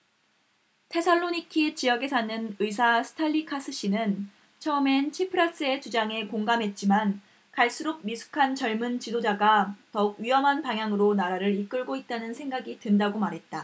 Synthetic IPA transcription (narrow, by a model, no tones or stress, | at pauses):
tʰe̞sʰʌɭːoɲikʰit͡ɕiʌɡe̞sʰanɯnɯis̬ʰasʰɯ̥tʰaʎːikʰas͈ʰɯɕ͈inɯn | t͡ɕʰʌɯme̞nt͡ɕʰipʰɯɾas͈ɯe̞t͡ɕud͡ʑaŋe̞koŋɡamɦe̞t̚t͡ɕ͈iman | kaɭs͈uɾob̚misʰu̥kʰant͡ɕʌɭmɯnt͡ɕidod͡ʑaɡatʌuk̚ɥiɦʌmɦanpaŋjaŋɯɾonaɾaɾɯɾik͈ɯɭɡoit̚t͈anɯnsʰe̞ŋɡaɡitɯndaɡomaɾɦe̞t̚t͈a